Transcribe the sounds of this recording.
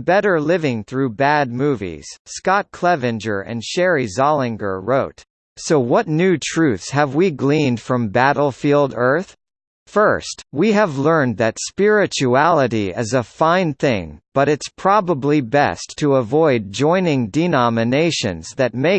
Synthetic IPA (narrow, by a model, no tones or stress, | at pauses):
bɛɾə˞lɪvɪ̃ŋθɹʉbæd̚muvḭz̥skɑt̚kʰl̥ɛvɨ̃nd͡ʒə̰˞ʔɨ̰̃nʃɛɹizɑlˠɪ̃ŋɡə̰˞ɹoʊt | soʊwʌtⁿnʉtʰɹ̥ʉθshɨvwiɡlĩnd̥fɹʌ̃mbæɾl̩ˠfilˠdɜ˞θ | fɜ˞st̚wiɨvlɜ̃˞nðɨtspɪɹɨt͡ʃuælˠəɾiɪ̰zəfãɪ̃nθɪ̰̃ŋb̥ʌɾɨtspʰɹ̥ɑbəblibɛ̰stʰəəvɔɪd̚d͡ʒɔ̃ɪ̃nɪ̃ŋdɨnɑmɨneɪʃɨ̰̃nzðɨt̚meɪ